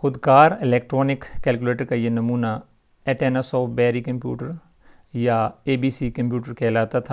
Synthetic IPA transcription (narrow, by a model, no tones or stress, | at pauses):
xʊd̪kaːɾɪlɛːk̚ʈɾɔːnɪkːɛːlkuleːʈəɾkajenɐmuːna | ɛːʈeːnasɔːfbɛːɾikɐ̃mpjṵːʈəɾ | jaeːbiːsikɐ̃mpjuːʈəɾkʰɛːlaːt̪at̪ʰa